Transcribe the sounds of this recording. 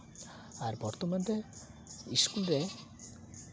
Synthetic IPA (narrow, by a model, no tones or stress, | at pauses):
aɾbɔɾt̪omant̪e | iskulɾe